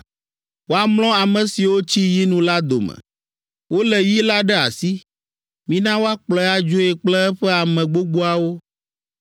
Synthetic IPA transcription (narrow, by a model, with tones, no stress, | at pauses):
wo˦a˦ml̃ɔ̃˦a˨mɛ̃˨si˨wo˦t͡ɕi˦ji˦nũ˦la˦d̪o̰˨mɛ̰̃˨ | wo˦lɛ˨wi˦la˦ɖɛ˦a̰˨si˦ | mĩ˦nã˦wo˦a˦k͡plɔ˨˦a˦d͡ʒo˦e˨k͡plɛ˦ɛ˦ɸɛ˦a˨mɛ̃˨ɡ͡bo˦ɡ͡bo˦a˨wo˦